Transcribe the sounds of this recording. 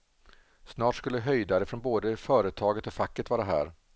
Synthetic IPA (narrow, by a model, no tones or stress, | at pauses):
snɑːʈskɵlːəɦœjd̪aɾəfɾɔnboːd̪əfœːɾət̪ʰɑːɡət̪ɔfakːət̪vɑːɾaɦæ̰ːɾ